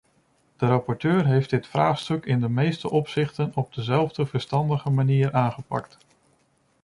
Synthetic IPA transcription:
d̥əɾɑpɔɹtøːɹɦejfdɪtfraːχstɵkɪndəmejstəʔɔpsɪχtənɔb̚dəzɛlˠvdəvəɹstɑndəχəmaniːɹʔaːnχəpɑ̰kt

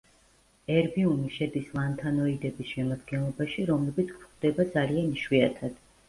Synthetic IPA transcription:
ɛɾbiuniʃɛd̪isvant̪ʰanɔid̪ɛbisʃɛmad̪ɡɛnlˠɔbaʃiɾɔmlɛbit̪sʰkʰχd̪ɛbad̪zalianiʃwiat̪ʰad̪̥

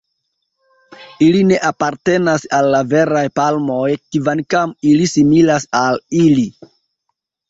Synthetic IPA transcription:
iline̞ʔapaɾte̞nasalːave̞ɾajpalmo̞jkivankamilisimilasalili

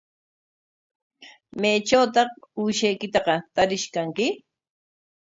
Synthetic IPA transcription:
majt͡ʃawt̪ɑχuʃajkɪt̪ɑqɑt̪aɾɪʃkaŋkɪ

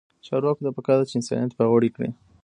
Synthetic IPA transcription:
t͡ʃɑɾwɑkot̪apəkad̪at͡ʃeɪnsɑ̰net̪baɣoɽikɽḭ

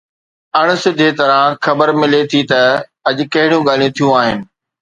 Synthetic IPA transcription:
ɐɽ̃ʊ̆sɪd̪ʱet̪ɐɾãxɐbəɾmɪlet̪ʰit̪ɐɐʄʊ̆kɐɦɪɽijũɠaːl̤ijũt̪ʰijũaːɦɪnɪ̆

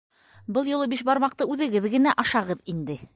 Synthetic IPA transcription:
bɤlˠjŏlˠɤbiʃbɑɾmɑq̚t̪ɤʉðɘ̆ɡɘðɡɘ̆næʔɑʃɑʁɤðind̪ɘ

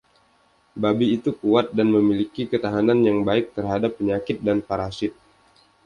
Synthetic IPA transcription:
babiːt̪ukuat̪̚danməmilikikət̪aɦananjaŋbaɪk̚t̪ərɦadapːəɲakɪt̪̚danpaɾasɪt̪̚

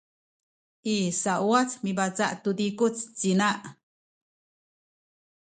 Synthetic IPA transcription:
isaʔwat͡smibat͡saʔt̪ud̪ikut͡st͡sinaʔ

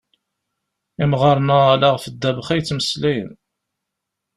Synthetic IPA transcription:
imʁɑɾˤnalaʁfəd̪ːæbəχæjt͡sːməslæjə̰n

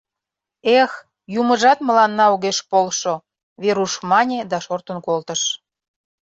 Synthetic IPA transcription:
ex | juməʒɑt̪mə̆lɑnːɑuɣeʃpolʃo | βeɾuʃmɑnʲed̪ɑʃort̪ə̆nkolt̪əʃ

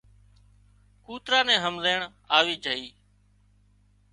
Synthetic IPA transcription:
kuːt̪ɾaːnɛ̃ːɦəmzeːɳ | aːʋiːd͡ʒʱəɦiː

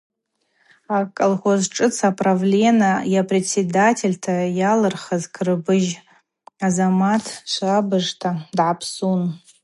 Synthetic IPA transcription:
akʼolχozʈ͡ʂʼɨt͡sʰapʼravlʲenajapʰʼret͡sːedatʰe̞lʲtʰajalɨrχazkʰrɨbɨʒ | azamatʰʃʷabɨʐtʰadʕapʰsun

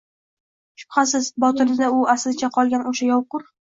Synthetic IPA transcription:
ʃʊ̥pχasɪzbɒt̪ɪɾɪd̪aʊaslɪt͡ʃʰaqʰɒlˠɡʲanʔoʃajɒwqʊɾ

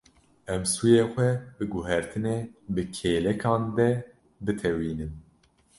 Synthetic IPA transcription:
ɛmsuːjeːxʷɛbɨɡʊɦɛɾt̪ʰɨneːbɨkʰeːlɛkʰɑ̃ːnd̪ɛ | bɨt̪ʰɛwiːnɨm

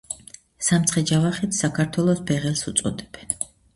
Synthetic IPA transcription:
samt̪sʰχɛd͡ʒavaχit̪ʰsakʰaɾt̪ʰwɛlˠɔsbɛʁɛlsut̪sʼɔ̰d̪ɛb̥ɛn

